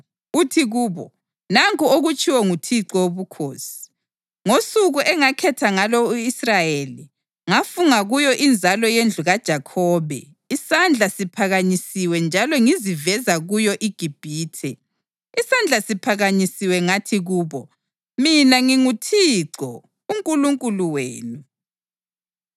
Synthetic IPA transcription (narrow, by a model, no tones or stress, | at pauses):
utʰiɣuːβɔ̰ | naŋkuoɣut͡ʃʰʼiwɔŋutʰiǀɔoβukʰoːsi̥ | ŋosuɣuʔɛŋakʰɛtʰaŋalɔuisrajeːli | ŋafuŋaɣujɔʔind͡zʱalɔjend͡ɮʱuɣad̥ʒ̥ʱakʰɔːβɛ̰ | isand͡ɮʱasipʰaɣaɲisiwɛnd͡ʒʱalɔŋizivɛzaɣujɔʔiɡ̥ʱib̥ʱiːtʰɛ | isand͡ɮʱasipʰaɣaɲisiwɛŋatʰiɣuːβɔ | minaŋiŋutʰiǀɔ | uŋkʼuluŋkʼuluweːnu